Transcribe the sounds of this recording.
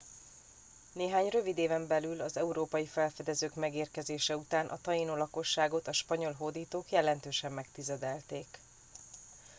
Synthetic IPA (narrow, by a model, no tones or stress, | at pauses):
neːɦaːɲrø̞vid̪eːvɛmbɛlylɒzɛuɾoːpɒjifɛlfɛd̪ɛzøːkmɛɡeːrkɛzeːʃɛut̪aːnʔɒ̰t̪ɒjinolɒko̞ʃːaːɡo̞t̪ɒʃpɒɲo̞lɦod̪iːt̪oːkjɛlɛnt̪øːʃɛmːɛkt̪izɛd̪ɛlt̪eːk